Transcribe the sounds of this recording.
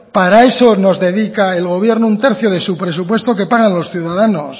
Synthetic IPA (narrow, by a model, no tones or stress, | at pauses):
paɾae̞so̞no̞zðe̞ðikaelɣo̞βje̞ɾnount̪e̞ɾθjoðe̞supɾe̞supwe̞st̪o̞ke̞paɣ̞anlo̞sθjuðaðano̞s